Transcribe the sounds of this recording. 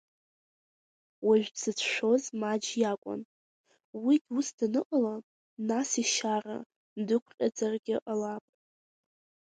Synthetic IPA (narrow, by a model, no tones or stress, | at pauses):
waʒᶣz̥ɨt͡sʷʰʃʷᶣo̞zmad͡ʒjakʷʼʊ̰n | wiɡʲusdanɨqʼala | nasiʃara̰ | ndɨkʷʰqʲʼad͡zarɡʲɪʔalapʼ